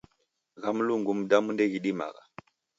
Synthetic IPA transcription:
ɣamluŋɡumdamundeɡiɗima̰ɡa̰

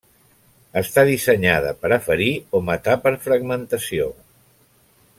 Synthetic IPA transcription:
əst̪aðisəɲaðə̰pəɾəfəɾiomət̪apəɾfɾəɡmənt̪əsio

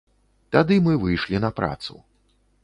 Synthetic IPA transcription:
t̪ad̪ɨmɨvɨjʂlʲinɐpɾa̰t̪sṵ

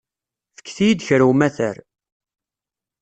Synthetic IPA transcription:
fə̥kːθijid̪çɾwmæθəɾ

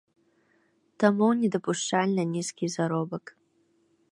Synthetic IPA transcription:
tʰɐmuwnʲedɐpʰʼuʂt͡ʃalʲnɐnʲiskʲizɐɾobɐk

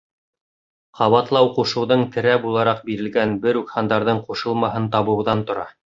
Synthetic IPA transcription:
qɑβɑt̪lˠɑwquʃɤ̆wðɤɴt̪ɘ̆ɾæbulˠɑɾɑq̚biɾɘ̆lɡænbɘɾʉkhɑnd̪ɑɾðɤɴquʃɤ̆lˠmɑɦɤnt̪ɑβɤ̆wðɑnt̪ŏɾɑ

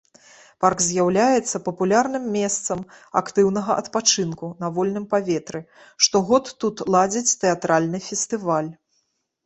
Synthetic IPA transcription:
parkzʲjawlʲajɛt̪sːɐpɐpulʲarnɨmːʲɛst̪sɐma̰kt̪ɨwn̪ɐɣɐʔɐt̪pat͡ʂɨnkunɐvɔlʲnɨmpavʲɛt̪ɾɨ | ʂt̪ɔɣɔt̪ːut̪lˠad͡zʲit͡sʲt̪ɛat̪ɾalʲnɨfʲɛsʲt̪ɨvalʲ

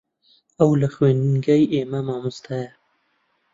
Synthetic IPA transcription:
ɐwlaxweːnɡɐjeːmɐmɑːmust̪ʰajɐ

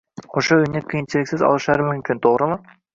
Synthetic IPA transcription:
oʃoɵjneqʰʲijɪnt͡ʃʰilʲɪkʲsɪzɑ̰lˠɯʃɑɾmɪmkʲʰɪnt̪ʰoʁɾəlˠə

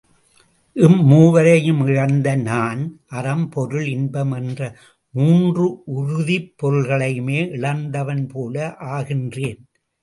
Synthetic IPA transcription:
ʔɪmːuːʋɐɾɐjɯmɪɻɐnd̪ɐnaːnʔɐɾɐmpɔɾɯɭɪnbɐmɛndrɐ | muːndrɯʔʊɾʊðipːɔɾɯɭɣɐɭɐjɯmeːʔɪɭɐnd̪ɐʋɐnpoːlɐʔaːɣɪndreːn

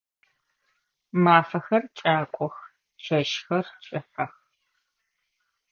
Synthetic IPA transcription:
maːfɐxɐrt͡ʃʼaːkʷʼɔx | t͡ʃʰɐʃxɐrt͡ʃʼɪħɐx

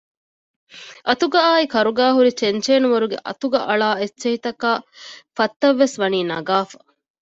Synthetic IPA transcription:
ʔɐt̪uɡɐaːikɐɾuɡaːɦuɾit͡ʃent͡ʃeːnuʋɐɾuɡḛʔɐ̰t̪uɡɐʔɐɭaːet͡ʃeɦit̪ɐkaːfɐt̪ːɐʋːesʋɐniːnɐɡaːfɐ̥

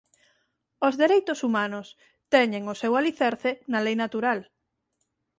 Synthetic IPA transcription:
ozðeɾejt̪ʊsumanʊs | t̪ɛɲeŋʊsewaliθeɾθenalejnat̪uɾal

